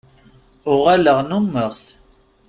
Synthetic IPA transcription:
ʊʁæləʁnumːəʁθ

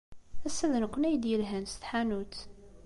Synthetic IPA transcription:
æsːæðənkʷːənæjəd̪jəlɦænsθħanut͡s̪

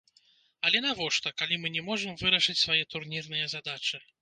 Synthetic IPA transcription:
ɐlʲɛnavɔʂt̪ɐkalʲimɨnʲɛmɔʐɨmvɨɾɐʂɨt͡sʲsvajɛt̪urnʲirnɨjɐzad̪at͡ʂɨ

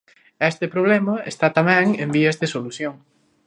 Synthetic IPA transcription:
ɛst̪ɪpɾoβ̞lɛmɐḛst̪at̪amɛ̃ŋembiɐzðesoluθjoŋ

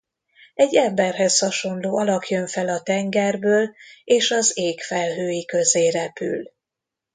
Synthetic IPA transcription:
ɛɟːɛmbɛrɦɛshɒʃo̞nloːɒlɒkjøɱfɛlɒt̪ɛŋɡɛrbøːleːʃɒzeːkfɛlɦøːjikø̞zeːrɛpy̰l

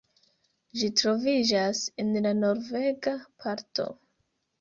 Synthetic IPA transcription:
d͡ʒitɾo̞vid͡ʒasenlano̞ɾve̞ɡapʰaɾto̞̰

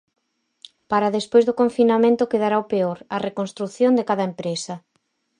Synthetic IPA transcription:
paɾaðespojzðʊkoɱfinamẽnt̪ʊkeðaɾaopeoɾɐrekonst̪ɾuθjond̪ekaðɐempɾesɐ

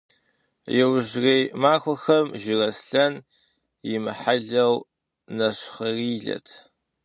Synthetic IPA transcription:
jɛwʑreːjmaːxʷɔxɐmʒɪrɐsɬɐn | jɪmɨħaɮɐw | nɐɕχɐriːɮɐ̰tʰ

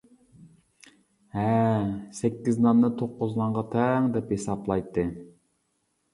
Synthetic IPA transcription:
hɛsɛkʲːiznɑnːɨt̪ʰoqːʊznɑɴʁɑt̪ʰɛŋd̪ɛphesɑplˠɑjt̪ʰːɨ

